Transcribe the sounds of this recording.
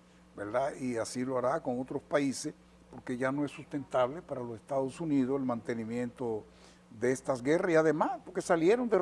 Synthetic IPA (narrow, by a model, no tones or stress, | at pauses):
beɾd̪aiasiloaɾako̞ŋo̞t̪ɾo̞spaises | po̞ɾkeʝano̞e̞sːust̪e̞nt̪aβ̞lepaɾalo̞sest̪aðosunið̞oselmãnt̪e̞nimje̞nt̪o | ðeest̪azɡe̞rasiaðemaspoɾke̞salje̞ɾo̞nd̪e